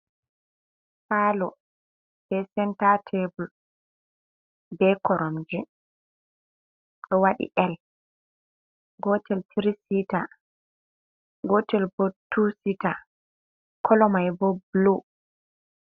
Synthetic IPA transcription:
faːlɔ | b̥ɛsɛntatʰebul | bɛkɔɾɔmd͡ʒɛ | ɗɔwaɗḭʔɛl | ɡɔtʰɛltʰiɾisita | ɡɔtɛlbotʰːusita | kʰɔlɔmajbɔblu

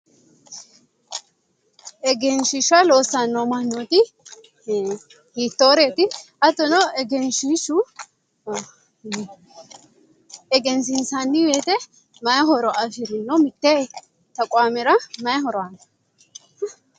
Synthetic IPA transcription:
ɛɡɛnʃɪʃaloːsːanːɔmɐnːot̪ɪ | hiːt̪ːoːɾet̪ɪ | ɐt̪ːɔnɔɛɡɛnʃiʃʊ | ɛɡɛns̬ɪnsanːɪweːt̪ɛ | mɐjɐɦɔɾɔʔɐfɪɾɪnːɔmɪt̪ːe | t̪ɐkʼwaːmɛɾɐmɐjɐhɔɾɔan

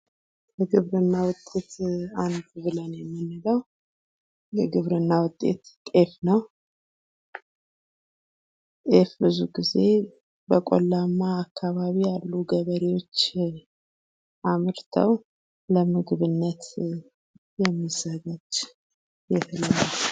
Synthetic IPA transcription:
bɛɡɨβɾɨnːawʊt̪ʼːe̞t̪and̪βɨlənjɛmːɨnːɨləw | jɛɡɨβɾɨnːawʊt̪ʼːḛt̪t̪ʼe̞fnəw | t̪ʼefbɨzuɡize̞ | bəkʼo̰lːamːaːkʰːaβaβijalːuɡəβəɾewo̞t͡ʃː | ʔamɨɾt̪ʰə̰w | ləmɨɡɨβɨnːət̪ | jɛmːizəɡad͡ʒ | jɛt̪ɨləwaw

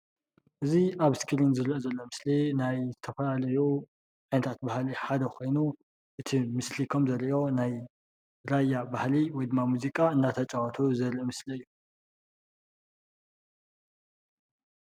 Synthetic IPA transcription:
ʔɨziʔaβskʰiɾinzɨɾiʔozɐlːo̞mɨslinajzɨt̪ʰɐfɐlalɐju | ʕinɐt̪ʰat̪̚bahliħad̪ɐkʰo̞jnu | ʔɨt̪ʰimɨslikʰomzɐɾʔo̞naj | ɾajːabahliwɔjd̪ɨmːamuzikʼaɨnːat̪ʰɐt͡ʃʼɐwɐt̪ʰuzɐɾiʔmɨsliɨjːu

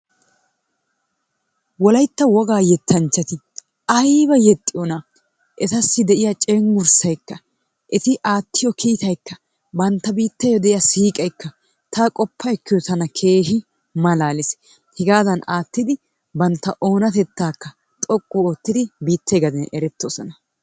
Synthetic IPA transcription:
wɔlɐjt̪ːɐwɔɡaːjɛt̪ʰːɐnt͡ʃːɐt̪ɪ | ɐjbɐjɛt̪ʼːɪjɔnɐ | ʔɛt̪ɐsːɪd̪ɛʔɪjɐt͡ʃʼɛŋɡʊɾsɐjkːɐ | ʔɛt̪ɪʔaːt̪ːɪjɔkʰiːt̪ɐjkːɐ | bɐnt̪ːɐbiːt̪ːɛjɔd̪ɛʔɪjɐsiːkʼɐjkːɐ | t̪ʰakʼɔpʰːɐɛkːɪjɔt̪ɐnɐkʰe̞ːʃɪ | mɐlaːlɪs | hɛɡaːzɐnaːt̪ːɪd̪ɪ | bɐnt̪ːɐʔo̞ːnɐt̪ɛt̪ːaːkːɐ | t̪ʼɔkʼːuoːt̪ːɪd̪ɪbiːt̪ʰːɛɡɐd̪ɛnɛɾɛt̪ːosɔnɐ

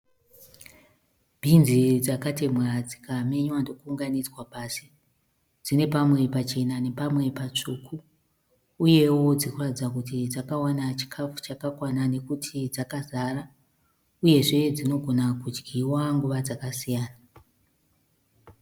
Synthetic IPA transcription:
bʱinzid͡zakate̞mwerad͡zikame̞ɲwando̞kuːŋɡanizwapaːsi | d͡zine̞pamwe̞pat͡ʃe̞nane̞pamwe̞pat͡ʂukʰuː | je̞wo̞d͡zikuratid͡zakutid͡zakawanat͡ʃi̥kʰafu̥t͡ʃakakwanane̞kutʰid͡zakazara | uje̞ʐe̞d͡zino̞ɡʱo̞nakud͡ʒɡʱiwaŋɡuʋad͡zakasijaːna

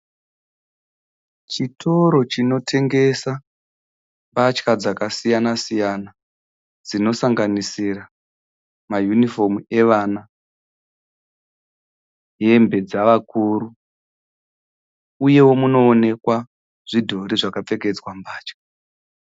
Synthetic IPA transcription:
t͡ʃitʰo̞ɾo̞t͡ʃino̞tʰe̞ŋɡe̞sa | mbat͡ʃkad͡zakasijanasijana | d͡zino̞saŋɡanisira | majunifo̞mue̞ʋana | ɦe̞mbe̞d͡zaʋakuːɾu | uje̞wo̞muno̞ːne̞kwa | ʐ̥idʱoɾiʐakap͡fe̞ke̞d͡zwambaːt͡ʃkḁ

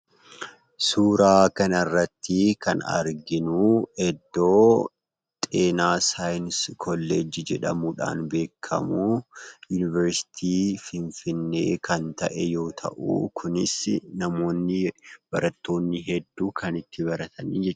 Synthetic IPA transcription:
suːɾaːkɐnɐrːɐt̪ːɪkɐnɐ̰ɾɡɪnuːɛd̪ːo̞ː | t̪ʼe̞ːnaːsaːjnskʰɔlːed͡ʒɪd͡ʒɛᶑɐmuːᶑa̰ːnbe̞ːkʰːɐ̰muːjunɪvɛɾsɪ̥t̪ʰiːfɪnfɪnːe̞ːkʰɐnt̪ɐ̰ʔɛjo̞ːt̪ʰɐ̰ʔṵːkʰʊnɪsnɐmo̞ːnːɪb̥ɐɾɐt̪ːo̞ːnːɪɦɛd̪ːuːkʰɐnɪt̪ʰːɪbɐɾɐt̪ʰɐnḭːd͡ʒɛt͡ʃː

